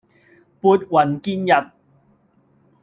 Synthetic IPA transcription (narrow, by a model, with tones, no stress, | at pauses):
puː˨˧t̚wɐ˨˩nki˥njɐ˨t̚